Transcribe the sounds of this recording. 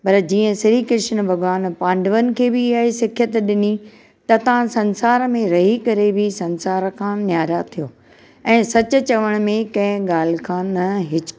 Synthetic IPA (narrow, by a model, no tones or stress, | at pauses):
pɐɾd͡ʑiːə̃sɪɾikɪʃənbʱɐɡʋaːnpãːɳɖəʋənɪ̆kʰeːbɪaɦesɪkʰjət̪ɗɪni | t̪ɐt̪ɐʋ̤ãsɐ̃nsaːɾmẽɾɐɦikɐɾebʱɪsɐ̃nsaːɾkʰãːnjaːɾat̪ʰijoː | ɛ̃ːsɐt͡ɕʊ̆t͡ɕɐʋəɽ̃mẽkɐ̃ɦɪ̃ɠaːl̤ɪkʰãːnɐɦɪt͡ɕ